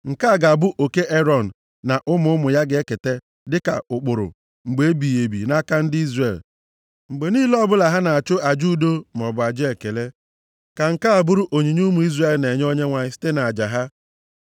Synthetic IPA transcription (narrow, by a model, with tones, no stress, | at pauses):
ŋ̩˨ka˦a˨ɡa˨bʊ˦ʔo˨ke˦ʔe˦ɾɔ˨n̩˨ | na˨ʔʊ˦mʊ˦mʊ˨ja˦ɡɪ˨e˦ke˨te˦ | dɪ˦ka̰˨ʊ˨k͡pʊ˨ɾʊ̰˨ | ŋ͡m̩˨ɡ͡be˨˦bi˨e˨bḭ˨na˦ka˦n̩˦dɪ˦i˦zre˦˨l | ŋ͡m̩˨ɡ͡be˨niː˦lɔ˦bʊ˦la˨ɦa˦na˨a˨t͡ʃʊ˦a˨d͡ʒu˦do˦m˨ɔ˨bʊ˨a˨d͡ʒɪ˦e˨ke˨le˦ | ka˨ŋ̩˨ka˦a˨bʊ˦ɾʊ˦ʔo˨ɲi˨ɲ˦u˦mʊ˨i˦zre˦˨lne˨ɲ˦o˦ɲe˦ŋʷa˨ɲɪ˦si̥˦te˦na˨a˨d͡ʒa˨ɦa˦